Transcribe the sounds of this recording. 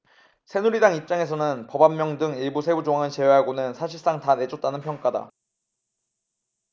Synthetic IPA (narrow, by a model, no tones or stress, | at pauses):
sʰe̞nuɾidaŋip̚t͡ɕ͈aŋe̞s̬ʰʌnɯnpʌbamːjʌŋdɯŋiɭbusʰe̞bud͡ʑoŋaŋɯt͡ɕe̞weɦaɡonɯnsʰaɕʰiɭs͈aŋtane̞d͡ʑʌt͈anɯnpʰjʌŋk͈ada̰